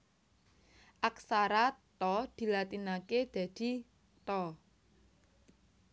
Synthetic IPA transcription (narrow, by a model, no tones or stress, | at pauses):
ʔaksaɾat̪ɔd̪̥i̤lat̪inaked̪̥a̤d̪̥i̤ | t̪ɔ